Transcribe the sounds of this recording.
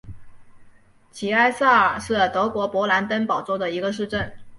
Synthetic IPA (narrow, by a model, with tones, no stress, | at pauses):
t͡ɕʰi˨˩a˥˧ɪsa˥˩ə˩ʂɻ̩˥˩t̪ɤ˧˥kwɔ˧˥pwɔ˧˥la˧˥nt̪ə˥npɑ˨˩ʊt͡swɔ˥˩ʊd̪ə˩i˧˥ɡə˧ʂ̬ɻ̩˥˧ʈ͡ʂə˥˩n